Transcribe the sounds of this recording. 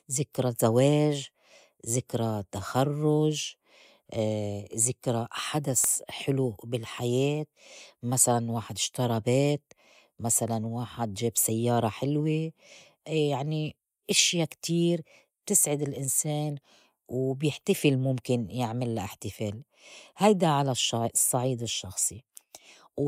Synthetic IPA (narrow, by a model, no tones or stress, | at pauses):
zɪkɾazaweːʒ | zɪkɾat̪axarˤːʊʒ | zɪkɾaħad̪asħɪlubɪlħajeːt̪̚masalanwaːħɪd̪ɪʃt̪ɑɾˤɑbeːt̪̚ | masalanwaːħɪd̪ʒeːbsajːɑːɾˤɑħɪlwe | jaʕni | ʔɪʃjakt̪iːɾ | b̥̚t̪ɪsʕɪd̪ɪlʔɪnseːn | wbjɪħt̪afɪlmʊmkɪnjɪʕmɪlːaʔɪħt̪ɪfeːl | hajd̪aʕalaʃɑsˤːɑʕiːd̪ɪʃːɑxsˤi